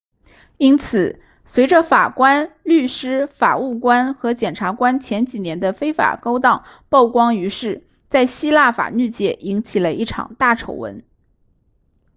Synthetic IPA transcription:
i˥nt͡sʰɹ̩˨˩˦ | swe˧˥ɪʈ͡ʂə˧fa˨˩kwa˥nly˥˩ʂɻ̩˥fa˨˩u˥˩kwa˥nxɤ˧˥t͡ɕjɛ˨˩nʈ͡ʂʰa˧˥kwa˥nt͡ɕʰjɛ˧˥nt͡ɕi˨˩njɛ˧˥nd̪ə˧fe˥ɪfa̰˨˩ko˥ʊt̪ɑ˥˩ʊ | pɑ˥˩ʊkwɑ˥ŋy˧˥ʂɻ̩˥˩ | t͡sa˥˩ɪɕi˥la˥˩fa̰˨˩ny˥˩t͡ɕjɛ˥˩ʔi˧˥ŋt͡ɕʰi˨˩lə˦i˥˩ʈ͡ʂʰɑ̰˨˩ŋt̪a˥˩ʈ͡ʂʰo˨˧˩ʊwə̰˧˥n

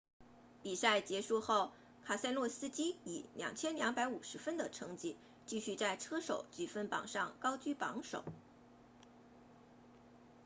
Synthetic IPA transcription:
pi˨˩sa˥˩ɪt͡ɕjɛ˧˥ʂu˥˧xo˥˩ʊ | kʰa˨˩sa˥ɪlwɔ˥˩sɹ̩˥t͡ɕi˥i˨˩˦ljɑ̰˨˩ŋt͡ɕʰjɛ˥nljɑ˧˥ŋpa˧˥ɪu˨˩ʂɻ̩˧˥fə˥nd̪ə˨ʈ͡ʂʰɤ˧˥ŋt͡ɕi˥˩ | t͡ɕi˥˧ɕy˥˧t͡sa˥˩ɪʈ͡ʂʰɤ˥ʂo˨˩˦ʊt͡ɕy˨˩fə˥npɑ̰˨˩ŋʂɑ˥˩ŋkɑ˥ʊt͡ɕy˥pɑ˧˥ŋʂo̰˨˩˦ʊ

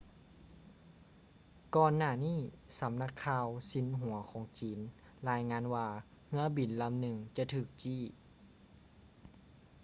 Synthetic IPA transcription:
kɔː˧nːaː˧˩niː˥˩sa˨˦mna˧kʰːaː˧wsi˨˧˥nɦu˨˩˦ɐkʰɔː˨˦ŋt͡ɕiː˨˦n | laː˧˥jŋaː˧˥nwaː˧ | ŋɯ˧˥ɐbi˨˩˦nla˧˨mnɯ˧˩ŋt͡ɕa˧t̪ʰɯː˧˩k̚t͡ɕiː˧˩˨

